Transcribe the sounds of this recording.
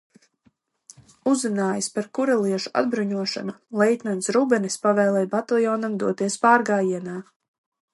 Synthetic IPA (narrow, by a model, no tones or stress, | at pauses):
uzinaːjaspaɾkuɾalˠiɛʃuʔa̰d̪̚bɾuɲuɔʃa̰nalˠɛjt̪ʲnɔnsɾubɛnispavɛːlˠɛjbat̪alˠjɔːnamd̪uɔt̪iɛspaːɾɡaːjiɛnaː